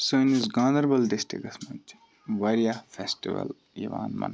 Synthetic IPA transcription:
sonizɡãːnd̪ɐɾbɐlɖisʈɾḭkɐsmɐnt | ʋɐɾijafʰesʈiʋɐ̰l | iʋa̰ːnmɐ̰n

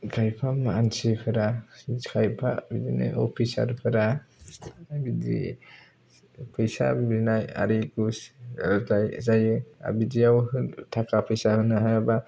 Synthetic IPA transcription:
kʰajpʰamaansipʰɯɾakʰajpʰa̰bidina̰jɔ̰pʰisa̰ɾpʰɯɾa | bidḭ | pʰəjsa̰binaja̰ɾiɡusltajzajɯa̰bidiawhɯntʰakʰapʰɯjsahɯnɯɦajaba

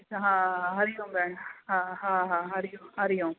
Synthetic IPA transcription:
ɦãɐɾɪjʊ̃bɛːɳɦãɦãːɦãɐɾɪjʊ̃ɐɾɪjʊ̃

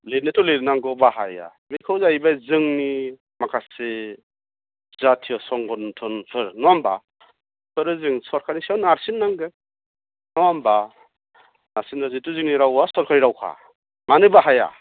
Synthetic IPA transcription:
lenetɔleɾnaŋɡɯbaɦaja̰ | mikʰɯwzajbajzɯŋni | makʰase | zatʰijɔsɔŋɡɔntʰɔnpʰɯɾnɔamba̰ | pʰɯɾɯzɯŋsɔɾkʰanisiawnaɾsinːaŋɡɯ | nɔamba | naɾsinɾazituzɯŋniɾawasɔɾkʰaɾiɾawkʰa̰ | manɯbaɦaja̰

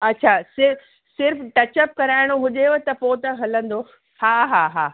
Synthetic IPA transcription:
ɐtːɕʰasɪɾ | sɪɾfʈɐt͡ɕəp̚kɐɾaːɪɽ̃oɦʊʄeot̪ɐpoːt̪ɐɦɐlə̃nd̪o | haːɦaːɦaː

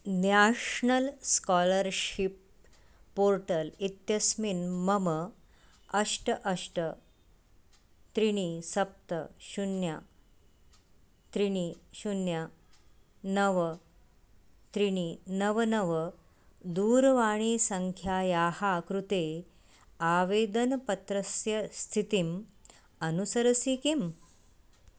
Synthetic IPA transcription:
naʂɳəlskɔləɾɕipː | oɾʈəlit̪jəsminməmə | əʂʈəʔəʂʈə | t̪ɾiɽ̃isəp̚t̪əɕunja | t̪ɾiɽ̃iɕunja | nɐʋɐ | t̪ɾiɳinɐʋɐnɐʋɐ | d̪uːɾɐʋaːɳ̃iːsɐŋkʰjaːjaːhaːkɾut̪eː | aːʋeːd̪ɐnɐpɐt̪ɾɐsjɐst̪ʰit̪im | ɐnusɐɾɐsiːkim

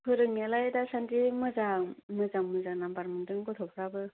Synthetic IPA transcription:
pʰɯɾɯŋalajdasandimɯzaŋmɯzaŋmɯzanambaɾmɯndɯŋɡɯtʰɔpʰɾabɯ

